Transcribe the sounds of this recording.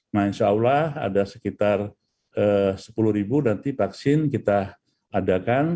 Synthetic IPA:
manʃaaulaha̰dasə̥kit̪ar | əsə̥puluhɾibunant̪ipaksɪnkit̪aː | dakan

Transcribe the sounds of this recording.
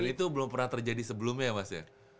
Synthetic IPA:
nit̪ubəlʊmpərnaht̪ərd͡ʒadisəbəlʊmɲamasja̰

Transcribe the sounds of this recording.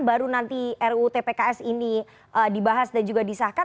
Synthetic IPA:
baɾunant̪iɛrut̪epekaɛsini | ʔədibaɦasdand͡ʒuɡadisahka

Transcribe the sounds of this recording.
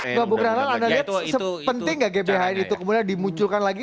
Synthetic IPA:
ŋɡabuɡɾahlanandaliɦat̪səpənt̪ɪŋɡaʔɡebeɦainit̪ukəmudandimuɲt͡ʃʊlkanlaɡi

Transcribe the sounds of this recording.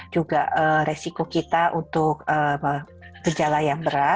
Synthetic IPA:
d͡ʒuɡa̰əɾesikokit̪aʔunt̪ʊk̚ə | bəd͡ʒalajaŋbəɾa

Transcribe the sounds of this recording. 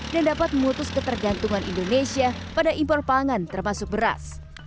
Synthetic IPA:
dandapat̪̚məŋut̪ʊskət̪ərɡant̪uŋanḭndonesiapadaʔimpɔrpaŋant̪ərmasʊk̚bəɾa̰s

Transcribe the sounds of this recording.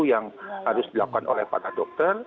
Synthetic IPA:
ujaŋhaɾʊsdilakanʔo̰lɛ̰hpa̰ɾadɔk̚t̪ər

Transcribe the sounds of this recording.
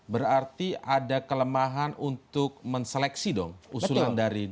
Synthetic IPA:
bəɾart̪iadakələmaɦanunt̪ʊk̚məŋsəlɛksidɔ̰ŋusulandaɾi

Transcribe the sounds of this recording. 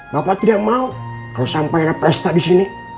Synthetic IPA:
bapat̪idakmaukalosampaiɾapɛst̪adisini

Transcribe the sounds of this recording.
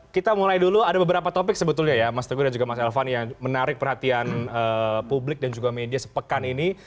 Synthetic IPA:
kit̪amulajduluadabəbəɾapat̪opɪk̚səbət̪ʊlɲajamast̪əɡudand͡ʒuɡamasɛlfanjaŋmənaɾɪk̚pərhat̪ianəpublɪk̚dand͡ʒuɡamediasə̥pəkanini

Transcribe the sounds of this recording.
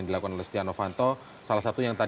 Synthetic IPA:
ŋdilakukanɔlɛst̪ianofant̪ɔ | salahsat̪ujaŋt̪a

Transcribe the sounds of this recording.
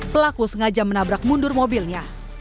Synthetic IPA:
pəlakusəŋad͡ʒamənabɾak̚mundʊrmobilɲa

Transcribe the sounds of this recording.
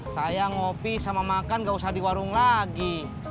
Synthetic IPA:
sajaŋɔpisamamakanɡausahdiwaɾuŋlaɡi

